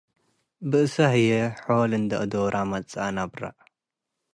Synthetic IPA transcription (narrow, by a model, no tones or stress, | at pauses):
bɨʔɨsahɨjɛħolɨnd̪ɐʔɨd̪oɾʔamɐt͡sʼanabɾa̰ʔ